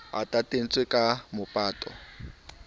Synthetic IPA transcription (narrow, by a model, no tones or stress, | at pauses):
a̰tʼatʼen̩t͡sʼwekʼamʊpʼaːtʼɔ̰